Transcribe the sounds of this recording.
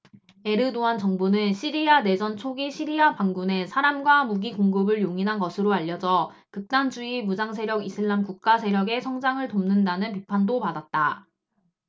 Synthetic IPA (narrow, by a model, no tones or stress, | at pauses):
e̞ɾɯdoant͡ɕʌŋbunɯnɕʰiɾiane̞d͡ʑʌnt͡ɕʰoɡiɕʰiɾiapaŋɡune̞sʰaɾamɡwamuɡiɡoŋɡɯbɯɭjoŋinɦanɡʌsʰɯɾoaʎːʌd͡ʑʌ | kɯk̚t͈and͡ʑuimud͡ʑaŋsʰe̞ɾjʌɡisʰɯɭːamkuk̚k͈asʰe̞ɾjʌɡe̞sʰʌŋd͡ʑaŋɯɭtomnɯndanɯnpipʰandopadat̚t͈a